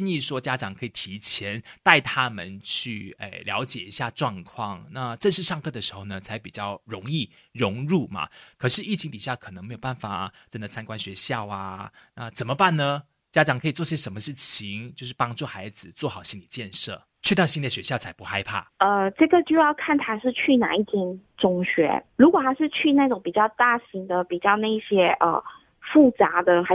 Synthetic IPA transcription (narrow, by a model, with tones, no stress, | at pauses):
t͡ɕi˥˧ni˥˩ʂwɔ˥t͡ɕja˦˥ʈ͡ʂɑ˨˩ŋkʰɤ˧˥i˨˩t̪ʰi˧˥t͡ɕʰjɛ˧˥˦nt̪a˥˧ɪt̪ʰa˦˥mə̰˨nt͡ɕʰy˥˩ḛ˨˩ljɑ̰˧˥ʊt͡ɕjɛ˨˩i˧˥ɕja˥˧ʈ͡ʂwɑ˥˧ŋkʰwɑ˥˩ŋna˥˧ʈ͡ʂə˥˧nʂ̬ɻ̩˥˧ʂɑ˥˧ŋkʰɤ˥˩d̪ə˩ʂɻ̩˧˥xo˥˩ʊnə˩t͡sʰa˧˥ɪpi˨˩t͡ɕjɑ˥˩ʊɻʊ˧˥ŋi˥˩ | ɻʊ˧˥ŋɻu˥˩mɐ̰˩kʰɤ˨˩ʂɻ̩˥˧i˥˩t͡ɕʰi˧˥ŋt̪i˨˩ɕja˥˩kʰə˨˩n˧˦ŋme˧˥jo˨˩ʊba˥˩nfa˨˩ʈ͡ʂə˥nd̪ə˨t͡sʰa˥nkwa˥nɕɥɛ˧˥ɕjɑ˥˧ʊa˦ | na˥˧t͡sə˨˩nmə˦pa˥˩nnə˧ | t͡ɕja˦˥ʈ͡ʂɑ˨˩ŋkʰɤ˧˥i˨˩t͡swɔ˥˧˩i˧ɕjɛ˥ʂə˧˥nmə˧ʂɻ̩˥˩t͡ɕʰi˧˦ŋt͡ɕjo˥˧ʊʂɻ̩˥˩pɑ˥ŋt͡swɔ˥˩xa˧˥ɪd͡zɹ̩˨t͡swɔ˥˩xɑ˨˩ʊɕi˦˥nli˨˩t͡ɕjɛ˥˧nʂɤ̰˥˩ | t͡ɕʰɥɛ˥˧t̪ɑ˥˩ɕi˥nli˨˩ə˩ɕɥɛ˧˥ɕjɑ˥˨ʊt͡sʰa˧˥ɪpu˧˦xa˥ɪpʰa̰˥˩ə˧ʈ͡ʂɤ˥˩ɡə˩t͡ɕjo˥˧ʊjɑ˥˧ʊkʰa˥˩nt̪ʰa˥ʂɻ̩˥˧t͡ɕʰy˥˩na̰˨˩i˥˩t͡ɕɛ˥˩nʈ͡ʂʊ˥ŋɕɥɛ̰˧˥ɻu˧˥kwɔ˨˩t̪ʰa˥ʂɻ̩˥˧t͡ɕʰy˥˧na˥˩ɪʈ͡ʂʊ˧˥ŋpi˨˩t͡ɕjɑ˥˧ʊt̪a˥˩ɕi˧˥ŋd̪ə˧pi˨˩t͡ɕjɑ˥˧ʊna˥˩˥ɕjɛ˥ʔə̰˧˩ | fu˥˩t͡sa˧˥d̪ə˧xa˧˥